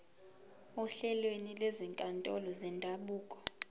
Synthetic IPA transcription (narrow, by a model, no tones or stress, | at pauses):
uɬɛlwenileziŋkʼantʼɔ̰lɔzɛndʱaɓuːkʼɔ̥